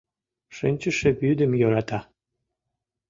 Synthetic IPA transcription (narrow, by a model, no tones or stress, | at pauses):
ʃɨnʲt͡ɕəʃebyd̪əmjoɾɑt̪ɑ